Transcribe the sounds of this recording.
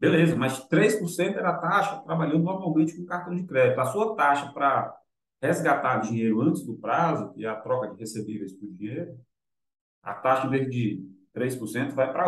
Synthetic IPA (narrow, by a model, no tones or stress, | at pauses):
belezɐmɐzd͡ʒt̪ɾejspʊɾsẽnt̪ʊɛɾɐat̪aʃɐt̪ɾabaʎɐ̃nd̪ʊnɔɾmawmẽt͡ʃɪkõkaɾt̪ɐ̃w̃d͡ʒɪkɾɛd͡ʒit̪ʊasuɐt̪aʃɐpɾɐ | hezɡat̪aɾd͡ʒĩɲejɾʊɐ̃t͡ʃɪzd̪ʊpɾazʊɪɐt̪ɾɔkɐd͡ʒɪhesebivejspʊɾd͡ʒĩɲejɾʊ | ɐ̰t̪aʃɐĩveɦʊd͡ʒɪt̪ɾejspʊɾsẽnt̪ʊvajpɾa